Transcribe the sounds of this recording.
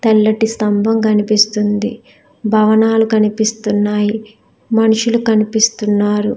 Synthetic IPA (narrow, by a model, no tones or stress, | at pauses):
t̪ɐlːɐʈist̪ɐmbʱɐmkɐnipist̪und̪i | bʱɐʋɐnaːlukɐnipist̪unːaːji | mɐnuʂulukɐnipist̪unːaːɾu